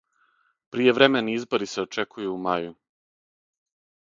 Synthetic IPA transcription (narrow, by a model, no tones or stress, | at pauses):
pɾije̞ʋɾe̞me̞niizbo̞ɾise̞o̞t͡ʃe̞kʰujuːmaju